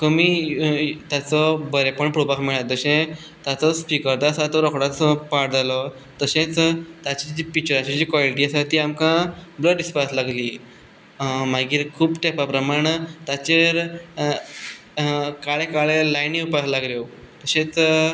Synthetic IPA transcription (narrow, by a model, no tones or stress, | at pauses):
kəmiː | t̪jat͡sɔbəɾepəɳpɾɽupakmiɭat̪ːəɕẽ | t̪at͡sɔspikəɾt̪aːsat̪ɔɾɔkɽat͡spaɽd͡zalɔ | t̪əɕẽt͡st̪at͡ɕid͡ʑipik̚t͡ɕəɾat͡ɕid͡ʑiːkʋaliʈiːasat̪iːamkãbləɖispaslaɡliː | maɡiːɾkʰuːpʈɛpapɾəmaɳ̃ət̪at͡ɕeɾ | kaɭekaɭelajniupaslaɡljo | t̪əɕẽt͡s